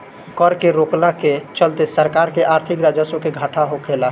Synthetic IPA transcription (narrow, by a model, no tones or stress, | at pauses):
kəɾkeɾoklaket͡ʃəlt̪esəɾkaɾkeʔaɾt̪ʰikɾad͡ʒəsokeɡʱəʈʰaɦokʰela